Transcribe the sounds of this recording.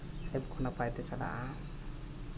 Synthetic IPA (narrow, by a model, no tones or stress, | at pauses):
ɛbkʰɔnapajd̪ɛt͡ʃala̰ʔa